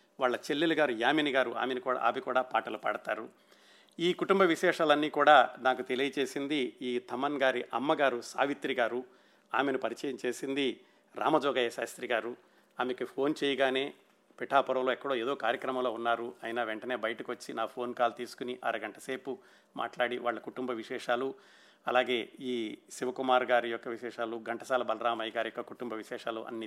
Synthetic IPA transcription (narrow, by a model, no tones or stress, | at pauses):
ʋaːɭːɐt͡ʃelːilɐɡaːɾujaːminiɡaːɾua̰ːmenikuːɽa̰a̰ːmikuːɽaːpaːʈɐlɐpɐ̰ɽɐt̪aːɾu | iːkuʈumbɐʋiʃɛːʂaːlɐnːiːkuːɽaːd̪aːkut̪e̞lijɐt͡ʃe̞ːsind̪iiːt̪ʰɐmɐnɡaːɾiʔɐmːɐɡaːɾusa̰ːʋit̪ɾiɡaːɾu | aːmenipɐɾit͡ʃɛːjɐmt͡ʃe̞ːsind̪i | ɾa̰ːmɐd͡ʒɔːɡɐjɐʃa̰ːst̪ɾiɡaːɾu | aːmekipʰo̞ːnt͡ʃɛjɐɡaːne̞ː | piʈʰaːpɔɾɐwloːɛkːɐɽoːeːd̪o̞ːkaːɾjɐkɾɐmɐmloːunːaːɾuɐjnɐʋeɳʈɐne̞ːbɐjɐʈɐkiʋɐt͡ʃːinaːpʰo̞ːnkaːlt̪iːsu̥kuniʔɐ̰ɾɐɡɐɳʈɐse̞ːpu | ma̰ːʈlaːɽiʋa̰ːɭːɐkuʈumbɐʋiʃɛːʂaːlu | ɐ̰laːɡe̞ːiːʃiʋɐkumaːɾɡaːɾijɔkːɐʋiʃɛːʂaːluɡɐɳʈɐsaːlɐbɐlɐɾaːmɐjɡaːɾijɔkːɐkuʈumbɐʋiʃɛːʂaːlṵʔɐ̰nːi